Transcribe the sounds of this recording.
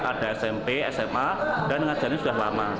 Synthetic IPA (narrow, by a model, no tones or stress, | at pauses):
ad̥aɛsɛmpeɛ̰sɛmad̥anːməŋadd͡ʒ̥anasudahlama